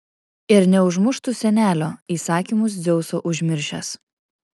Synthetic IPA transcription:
ɪɾnʲɛʊʒmʊʃt̪usʲɛnʲæːlʲoːiːsɑːkʲiːˑmʊs̬d̪zʲɛʊsoːʔʊʒʲmʲɪɾʲʃʲɛ̰s

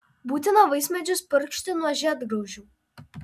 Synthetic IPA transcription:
buːt̪ʲɪnoʋɐɪsʲmʲɛd͡ʒʲʊspʲɪɾʲkʃʲt̪ʲɪnuɔʒʲɛːd̪ɡɾɐʊʒʲuː

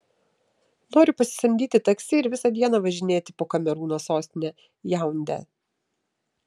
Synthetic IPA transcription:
noːɾʲʊpɐsʲɪ̥sʲɐmʲd̪ʲiːt̪ʲɪt̪ɐksʲɪɪɾʋʲɪsɐd̪ʲiɛnɐʋɐʒʲɪnʲeːt̪ʲɪpoːkɐmʲɛɾuːnoːsoːsʲt̪ʲɪnʲɛ | jæˑʊnʲd̪ʲæ̰

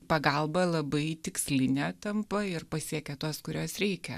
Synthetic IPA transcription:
pɐɡɐlˠbɐlˠɐbɐɪt̪ʲɪksʲlʲɪnʲɛt̪ɐmpɐɪrpɐsʲiɛkʲɛt̪uɔskʊɾʲoɔsɾʲɛɪkʲɛ̰

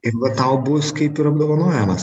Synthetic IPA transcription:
ɪɾʋɐt̪ɐʊbʊskɐɪpɪɾɐb̚d̪oːʋɐnoːjɛmɐs

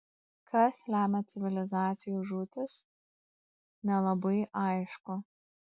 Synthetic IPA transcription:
kʰɐslʲæːmʲɛt̪sʲɪʋʲɪlʲɪzɑːt̪sʲɪjuːʒuːt̪ʲɪs | nʲɛlˠɐbɐɪʔɑɪʃkʊ

